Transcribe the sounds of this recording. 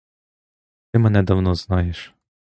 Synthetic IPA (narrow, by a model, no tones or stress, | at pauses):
t̪ɪmɛnɛd̪ɐwnɔznɑjeʃ